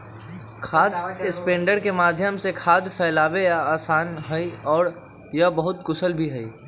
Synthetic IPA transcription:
kʰaːd̪ɪspẽːɳɖəɾkemaːd̪ʱjəmsekʰaːd̪fʰɛːlaːʋejaaːsaːnɦɐiɔːɾ | jabɐɦʊt̪kʊsəlbʱiɦɐḭː

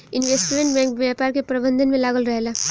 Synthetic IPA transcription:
inʋesʈmeɳʈbɛ̃ŋkbjapaɾkepɾəbənd̪ʱənmelaɡəlɾəɦela

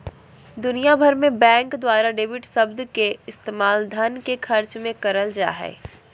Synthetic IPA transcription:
d̪ʊnijabʱəɾmẽbɛ̃ːŋkd̪waːɾaɖeːʋɪʈsɐbd̪keɪst̪eːmaːld̪ʱənkekʰɐɾt͡ʃmẽkɐɾəld͡ʒa̰ːɦɛ̰ː

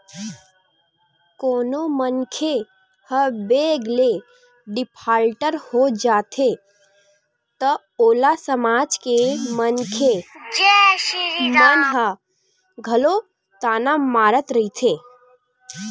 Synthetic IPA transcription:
koːnomənkʰe | həbeɡle | ɖɪpʰaːlʈəɾhod͡ʒaːt̪ʰe | t̪ə | oːlasəmaːd͡ʒkemənkʰe | ənɦə | ɡʱəlo | t̪aːnamaːɾət̪ɾəit̪ʰe

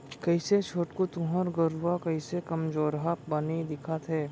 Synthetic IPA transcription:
kɐiset͡ʃʰoːʈkot̪ʊɦəɾɡəɾʋakɐisekɐmd͡ʒoːɾɦapbɐnid̪ɪkʰat̪ʰɦɛː

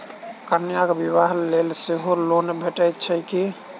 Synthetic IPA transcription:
kənjakbiβaɦlelseɦolonbʱeʈəjt̪̚t͡ʃʰəki

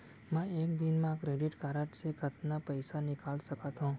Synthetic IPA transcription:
mə̃ek̚d̪inmãkɾeɖiʈkaɾəʈsekət̪napəjsanɪkalʃəkat̪ɦũ

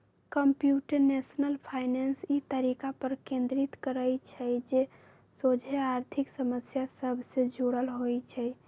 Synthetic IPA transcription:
kəmpjuʈəɾnesnəlpʰaɪnensit̪əɾikapəɾkẽnd̪ɾit̪kəɾəjt͡ʃʰəd͡ʒe | sod͡ʒʱeaɾt̪ʰiksəməsjasəbʱsed͡ʒoɽəlɦojt͡ʃʰɛ

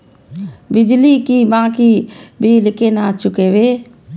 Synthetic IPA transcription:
bɪd͡ʒlikibãːkibʱilɪkenat͡ʃʊkewe

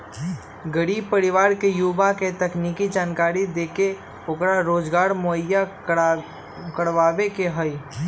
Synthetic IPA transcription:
ɡəɾiːb̚pəɾiʋaːɾkejuːbaket̪əknikid͡ʒaːnkaːɾid̪eːke | okɾaɾoːd͡ʒɡaːɾmoəja | kəɽʋaːʋekeɦəi

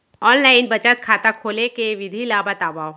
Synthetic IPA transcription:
ɔːnlaːɪnbɐt͡ʃət̪̚kʰaːt̪akʰoːlekeʋɪd̪ʱilaːbat̪aːbaːw

